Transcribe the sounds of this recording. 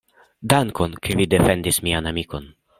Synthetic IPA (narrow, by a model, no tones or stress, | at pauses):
daŋko̞nkʰevide̞fe̞ndismianamiko̞n